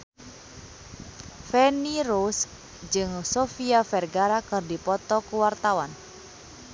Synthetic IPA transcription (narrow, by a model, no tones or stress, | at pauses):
fɛniɾus | d͡ʒɨŋsofiafɛrɡaɾakɨrdipɔt̪ɔkuwart̪awan